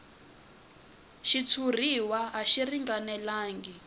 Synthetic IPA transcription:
ʃit͡sʰur̤iwaaʃiriŋɡanɛlaːŋɡi

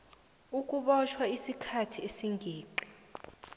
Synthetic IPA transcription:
uk̬ʼuɓɔt͡ʃʰwaisikʰatʰiesiŋɡʱiːǃi̥

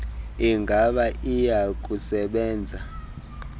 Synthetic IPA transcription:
iŋɡʱaɓaʔijak̬ʼusɛɓɛːnd͡zʱa

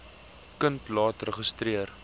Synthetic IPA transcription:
kəntlɑːtrəχəstriər

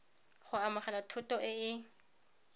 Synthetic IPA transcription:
χʊamaχalatʰʊtʼɔʔɪɪ

